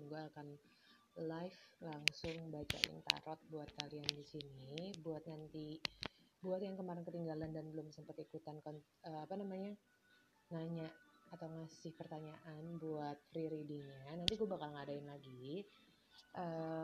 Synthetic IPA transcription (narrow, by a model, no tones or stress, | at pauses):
nɡuaːkan | lajflaŋsʊŋbat͡ʃa̰ʔɪ̰nt̪a̰ɾɔt̪̚buat̪̚kaliandisinibuat̪̚nant̪i | buat̪jaŋkəmaɾɪnkət̪iŋɡalandanbəlʊmsəmpat̪ikut̪ankɔn | əapanamaɲa | naɲaʔat̪awŋasɪhpərt̪aɲaʔanbuat̪̚fɾiɾidiɲanant̪iɡuabakalŋadaɪnlaɡi | ʔə